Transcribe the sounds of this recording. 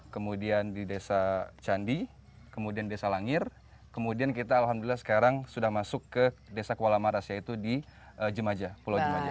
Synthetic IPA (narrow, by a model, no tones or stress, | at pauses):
kəmudiandidesat͡ʃandi | kəmudianidesalaŋɪr | kəmudiankit̪aːlɦamdulilasə̥kaɾaŋsudahmasʊkːədesakəwalamaɾasjait̪udi | əd͡ʒəmad͡ʒapulawd͡ʒəmad͡ʒa